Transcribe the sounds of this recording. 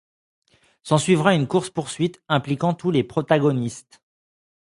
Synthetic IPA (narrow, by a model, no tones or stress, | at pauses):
sɑ̃sɥivʁaynkuʁspuʁsɥit̪ɛ̃plikɑ̃t̪ulepχɔt̪aɡɔnist̪